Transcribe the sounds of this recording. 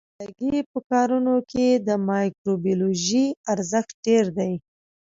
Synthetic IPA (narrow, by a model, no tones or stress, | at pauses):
laɡepəkɑɾunoked̪əmɑjkɾobjoloʒiaɾzəxt̪̚ɖeɾd̪aj